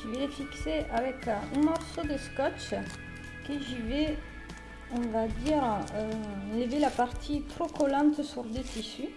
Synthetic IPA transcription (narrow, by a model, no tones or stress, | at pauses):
ʒivɛlefikseʔavɛkɛ̃mɔʁsod̪əskɔt͡ʃ | kəʒivɛ | ɔ̃vad̪iʁøləvelapaʁt̪ʰit̪χokɔlɑ̃t̪syʁd̪et̪isy